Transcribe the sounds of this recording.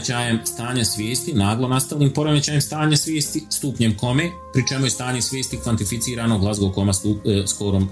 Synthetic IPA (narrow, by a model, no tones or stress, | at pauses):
t͡ɕaːjemst̪aːɲasʋʲjeːst̪inaːɡlˠonast̪aʋnʲiːmpo̞ɾomet͡ɕaːjemst̪aːɲesʋjeːst̪ist̪uːpɲemko̞me | pɾit͡ʃe̞mujest̪aːɲesʋjeːst̪ikʋant̪ifit̪siːɾaːno̞ɡlˠazɡokomasuskoɾom